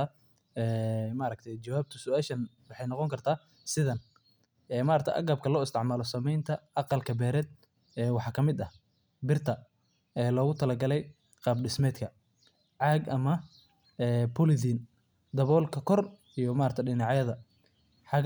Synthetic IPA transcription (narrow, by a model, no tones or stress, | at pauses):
a | ɛːmaɾɐk̚t̪ʰɐjt͡ʃɐwaːb̚t̪ʰʊsʊaːʃɐnwɑħɑjnɔqɔŋkʰɐrt̪ʰaː | sɪðɐn | ɛːmaːɾɐk̚t̪ʰʔɐ̰ɡɐb̚kʰɐlɔːɪst̪ɪʕmaːlɔsɐmɛjnt̪ʰɐʔɑqɑlkʰɐbɛːɾɛːd̪̚ | ɛːwɑħɑkʰɐmɪd̪ɐh | bɪrt̪ʰɐ | ɛːlɔːɣʊt̪ʰɐlɐɡɐlɛj | qɑːbɖɪsmɛːd̪kʰɐ | ʕɑːɡʔɐmɐ | ɛːpʰʊlɪðiːn | d̪ɐβɔːlkʰɐkʰɔr | ijɔmaːɾɐk̚t̪ʰɐɖɪnɑʕjɐðɐ | ħɑɣ